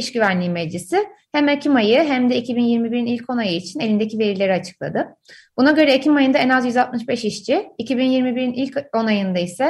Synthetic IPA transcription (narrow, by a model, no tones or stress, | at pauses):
iʃɟyvænlʲiːmɛd͡ʒisɪhæmecʰimajɯɦæmd̪ɛicʰibinjiɾmibiɾinilʲcʰo̞najɯit͡ʃʰine̞lʲind̪ecive̞ɾilʲe̞ɾiat͡ʃʰɯ̥klˠa̰d̪ɯ | b̥unaɟø̞ɾɛecimajɯnd̪aɛnazjyzalˠt̪̚mɯʃbɛʃiʃt͡ʃʰiicʰibinjiɾmibiɾinilʲco̞najɯnd̪aisɛ